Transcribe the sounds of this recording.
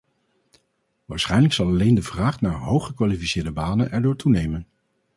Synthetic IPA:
ʋaːɹsχɛjnləksɑlˠɑlejndəvraːχnaːɹɦowχəkʋaːlifisɪːɹdəbaːnənʔɛɹdʊːɹtunejmən

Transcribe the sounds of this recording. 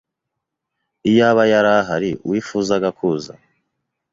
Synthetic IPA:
ijaβajaɾaɦaɾiwiːfuzaɡakʰuza̰

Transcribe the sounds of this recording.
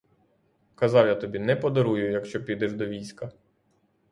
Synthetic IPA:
kɐzɑwjat̪ɔbʲinɛpɔd̪ɔɾujʊjɐkʃt͡ʃɔpʲid̪ɛʒd̪ɔʋʲijsʲkɐ

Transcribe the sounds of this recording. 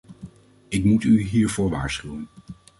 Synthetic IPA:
ɪkmutyɦiːɹvʊːɹʋa̰ːɹsχywən

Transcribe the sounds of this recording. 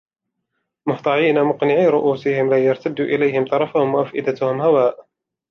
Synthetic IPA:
mʊht̪ˤɑʕiːnamʊqnɪʕiːɾʊʔuːsɪhɪmlaːjɑɾˤt̪ad̪ːuːʔɪlajhɪmt̪ˤɑɾˤɑfʊhʊmwaʔafʔɪd̪at̪ʊhʊmhawaːʔ

